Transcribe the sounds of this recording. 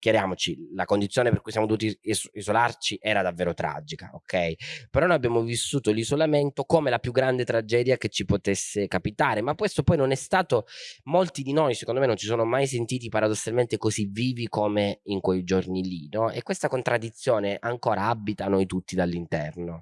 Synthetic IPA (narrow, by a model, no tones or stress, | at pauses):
kjaɾjaːmot͡ʃilakond̪it̪sːjoːneperkujsjamod̪ovuːt̪̬iizolart͡ʃiʔɛːɾad̪avːeːɾot̪ɾa̰d͡ʒika̰okʰːɛjpeɾɔnojabːjaːmovisːuːt̪olizolament̪okomelapjuɡːɾand̪et̪ɾad͡ʒɛːd̪jaket͡ʃːipot̪esːekapit̪aːɾemakːwest̪opɔjnonɛst̪aːt̪omolt̪id̪inojsekond̪omenːõnt͡ʃisoːnomajs̬ent̪iːt̪̬ipaɾad̪osːalment̪ekozivːiːvikomeiŋkwejd͡ʒornilinɔʔḛkwest̪akont̪ɾʔad̪ːit̪sːjoːneʔaŋkoːɾaabːit̪anojt̪ut̪ːid̪alːint̪ɛ̰rno